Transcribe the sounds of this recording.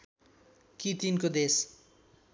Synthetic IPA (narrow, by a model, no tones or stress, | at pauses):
kit̪inkod̪es